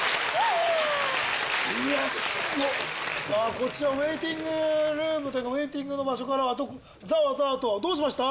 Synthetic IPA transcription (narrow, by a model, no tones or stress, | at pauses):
e | ijaɕosaːko̞t͡ɕiβaβe̞ːt̪ʲĩŋɡɯ̟ɾɯːmɯt̪o̞jɯkaβe̞ːt̪ĩŋɡɯ̟no̞baɕo̞kaɾaːt̪̬o̞ | zaβazaːt̪o̞βad̪o̞ːɕ̬imaɕi̥t̪a